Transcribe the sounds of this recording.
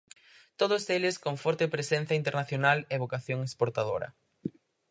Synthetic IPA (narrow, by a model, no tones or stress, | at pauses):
t̪oðʊselɪskoŋfɔɾt̪epɾesẽn̟θɐint̪eɾnaθjonaleβokaθjoŋespoɾt̪aðoɾɐ̰